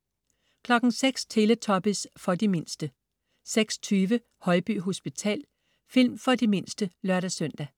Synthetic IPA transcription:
kʰlɒ̽ɡ̥n̩seɡ̥st͡sʰe̝lət͡sʰɒ̽b̥əsfɒ̽dime̝n̰sd̥ə | seɡ̥sɒ̥t͡sʰyːʋə | hɒ̽ɪb̥y̰ːɦo̝sb̥it͡sʰɛ̰ːl | fil̰mfɒ̽dime̝n̰sd̥əlɶɐɾæsœn̰d̥æ

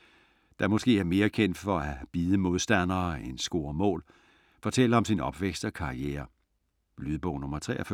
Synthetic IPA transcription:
d̥ɑ̈mɒ̽sɡ̥e̝̰ːæɐme̝ːɐkʰen̰d̥fɒ̽æb̥iːð̞ˠəmo̝ð̞ˠsd̥ænɐːensɡ̥o̝ːɐmɔ̰ːl | fɒ̽t͡sʰel̰ɐɒ̽msinɒ̽b̥ʋeɡ̥sd̥ɒ̽kʰɑ̈ieːɐ | lyðˠb̥ɔʊnɔ̽mɐt͡sʰʁɛ̰ʔɐf

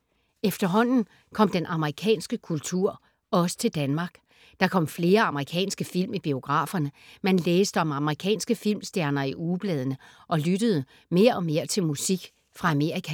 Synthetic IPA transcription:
efd̥ɐɦɒ̽n̰n̩ | kʰɒ̽m̰d̥enʔɑ̈məʁikʰɛ̰ːnsɡ̥əkʰult͡sʰuɐ̰ | ɒ̽sə̥t͡sʰe̝ld̥ænmɑ̈ːɡ̥ | d̥ɑ̈kʰɒ̽m̰fle̝ːɐɑ̈məʁikʰɛ̰ːnsɡ̥əfil̰mib̥io̝ɡ̥ʁɑ̰̈ːfɐnəmænleːsd̥əɒ̽mɑ̈məʁikʰɛ̰ːnsɡ̥əfil̰msd̥jæɐnɐiʔuːb̥lɛːð̞ˠənə | ʔɒ̽lyɾ̥əð̞̩ˠə | me̝ːɐʔɒ̽me̝ːɐt͡sʰe̝lmusiɡ̥ | fʁɑ̈æme̝ɐ̰ʁikʰæ

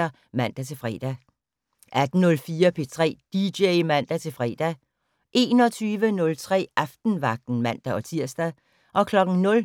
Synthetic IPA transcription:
ɐ | mæn̰d̥æt͡sʰe̝lfʁɛ̰ːd̥æ | ʔæd̥n̩nɔ̽lfiːɐpʰe̝t͡sʰʁɛ̰ːd̥ideɪmæn̰d̥æt͡sʰe̝lfʁɛ̰ːd̥æ | ʔe̝̰ːnɒ̽t͡sʰyːʋənɔ̽lt͡sʰʁɛ̰ːɑfd̥n̩ʋɑ̈ɡ̥̚d̥n̩mæn̰d̥æɒ̽t͡sʰiɐ̰sd̥æ | ʔɒ̽kʰlɒ̽ɡ̥ŋ̩nɔ̽l

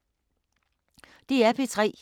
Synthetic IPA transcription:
d̥iæpʰet͡sʰʁɛ̰ː

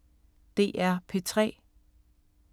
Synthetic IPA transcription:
d̥e̝̰ːʔæɐ̰pʰe̝t͡sʰʁɛ̰ː

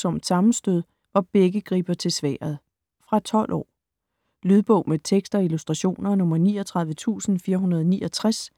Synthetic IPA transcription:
sɒ̽md̥sɑ̈mn̩sd̥øð̞̰ˠ | ʋɑ̈b̥eɡ̥əɡ̥ʁḭːb̥ɐt͡sʰe̝lsʋæ̰ːɐð̩ˠ | fʁɑ̈t͡sʰɒ̽l̰ʔɒ̰ː | lyð̞ˠb̥ɔ̽ʊ̰met͡sʰeɡ̥sd̥ɒ̽ilusd̥ʁɑ̈ɕo̝̰ːnɐnɔ̽mɐniːɒt͡sʰʁɑ̈ð̞ˠʋət͡sʰṵːsn̩fiːɐɦunɐð̞ˠɒniːʔɒt͡sʰʁas

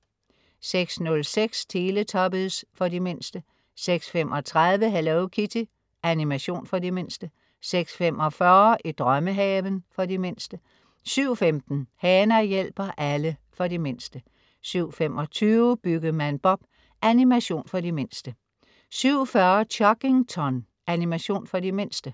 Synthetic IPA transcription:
seɡ̥snɔ̽lseɡ̥sdʰe̝ːlət͡sʰɒ̽bəð̩ˠsfɒ̽dime̝n̰sd̥ə | seɡ̥sfemʔɒ̽t͡sʰʁaðˠʋəɦælɛʊkʰit͡sʰi | ʔænimæɕo̝̰ːnfɒ̽dime̝n̰sd̥ə | seɡ̥sfem̰ɒ̽fɶɐʔid̥ʁɶməɦɛːʋənfɒ̽dime̝n̰sd̥ə | syʊ̰femd̥n̩hɛːnɐjel̰b̥ɐʔæləfɒ̽ɾime̝n̰sd̥ə | syʊ̰fem̰ɒ̽t͡sʰyːʊb̥yɡ̥əmænb̥ɒ̽b̥ | ʔænimæɕo̝̰ːnfɒ̽dime̝n̰sd̥ə | syʊ̰fɶɐt͡ɕʰɒɡ̥e̝ŋt͡sʰɒn | ænimæɕo̝̰ːnfɒ̽d̥ime̝n̰sd̥ə

